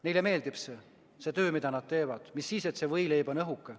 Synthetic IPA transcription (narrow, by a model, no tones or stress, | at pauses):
nejleme̞ːld̪ibse | se̞ːt̪ø̞ːmid̪̥ɑnɑd̪̥̚t̪e̞ːvɑd̪̥misːiːse̞t̪se̞vɤjle̞jbonɤɦukːˑe